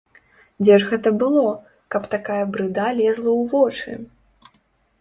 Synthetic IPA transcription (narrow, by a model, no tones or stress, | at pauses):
d͡zʲɛʐɣɛt̪ɐbɨlˠɔ | kɐpt̪akajɐbɾɨd̪alʲɛzlˠɐwvɔt͡ʂɨ̰